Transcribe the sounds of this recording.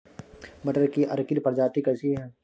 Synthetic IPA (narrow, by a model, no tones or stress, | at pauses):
mɐʈəɾkiʔɐ̰ɾkilpɐɾd͡ʒaːt̪ikɐsiɦɛː